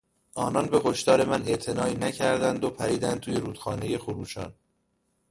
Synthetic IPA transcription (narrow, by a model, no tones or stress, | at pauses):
ʔɒːnɒnbe̞ɦo̞ʃd̪ɒːɾe̞mæne̞ʔt̪ʰe̞nɒːiːnæcʰæɾd̪ænd̪opʰæɾiːd̪æn̚t̪uːje̞ɾuːd̪xɒːne̞je̞xoɾuːʃɒ̰ːn